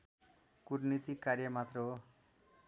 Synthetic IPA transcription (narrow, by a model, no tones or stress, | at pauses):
kuɾnit̪ikaɾjʌmat̪rʌɦo